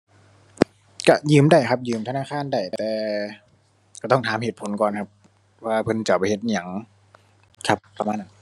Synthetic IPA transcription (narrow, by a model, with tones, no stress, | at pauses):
ka˧˩jɯː˧˩mda˧˥˩jkʰa˧˦˥p̚jɯː˧˩mt̪ʰa˧naː˧˥˨kʰaː˥˨nda˧˩jt̪ɛː˨˧ | ka˧˩t̪ɔ˥˩ŋt̪ʰaː˨˦mheː˨˩t̪̚pʰo˨˦nkɔː˨˩nkʰa˧˥p̚ | waː˧˩pʰɤ˧˨nt͡ɕa˨˩pa˧jhe˧t̪̚ʔi˧ɲa˨˩˦ŋ | kʰa˧˥pːa˧maː˧˥˨na˧˦n